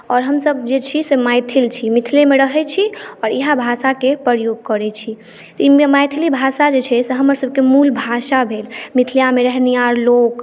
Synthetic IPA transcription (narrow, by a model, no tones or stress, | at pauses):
ɔɾɦəmsəb̚d͡ʒet͡ʃʰisemajt̪ʰilt͡ʃʰimit̪ʰlemeɾəɦɛt͡ʃʰiɔːɾiɦabʱasakepɾəɾjoɡ̚kəɾɛt͡ʃʰi | t̪ɔimmajt̪ʰilibʱasad͡ʒet͡ʃʰɛseɦəməɾsəb̚kemulbʱasabʱelmit̪ʰljameɾəɦnijaɾlok